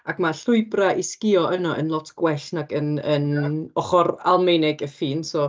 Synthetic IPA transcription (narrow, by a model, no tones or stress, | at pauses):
akmaɬʊɨbraʔɪskɪɔənɔʔə̰nlˠɔtʰɡ̥wɛɬnaɡənənɔχɔɾalˠmejnɪɡəfiːnsɔː